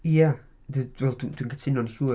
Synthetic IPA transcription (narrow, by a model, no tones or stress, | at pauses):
ja | ðəwɛlˠdd̥wĩnɡətʰɪnɔnhu